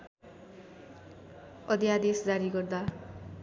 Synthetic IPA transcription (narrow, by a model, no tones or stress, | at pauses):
ʌd̪jad̪esd͡zaɾiɡʌrd̪a